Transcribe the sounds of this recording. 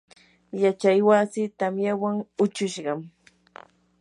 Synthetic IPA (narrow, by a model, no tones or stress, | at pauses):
jat͡ʃajwasɪt̪amjawaŋʊt͡ʃʊʃɢɑm